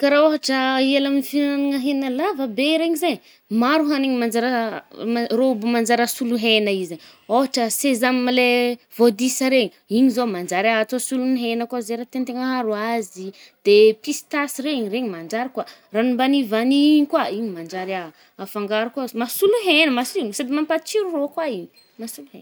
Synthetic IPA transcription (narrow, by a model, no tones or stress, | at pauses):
kaɾaoɦaʈ͡ʂəelaminifinnanaŋəɦenalavəbeɾeɲizeɲ | maɾuɦaniɲimand͡ʒaɾ | robumand͡ʒaɾəsuluɦenəize | oɦaʈ͡ʂəsezamimilevod̪isəɾeɲi | iɲizomand͡ʒaɾat̪osuluniɦenəkazeɾat̪ent̪eŋaɦaɾuazi | d̪̥episi̥t̪asireiɲireɲimand͡ʒaɾakwaranumbanivaniiɲkwaiɲimand͡ʒaɾa | afaŋɡaɾukazmasuluɦenəmasunsad̪imampat͡ʃiɾurokwaiɲi | masuluɦḛn